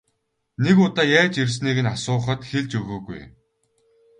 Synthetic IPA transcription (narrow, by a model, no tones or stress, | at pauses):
nekʊt̪aːjæːt͡ɕirs̬niːɣɘ̆nasʊːχə̆t̪xeɮt͡ɕɵɣɵːɣṵj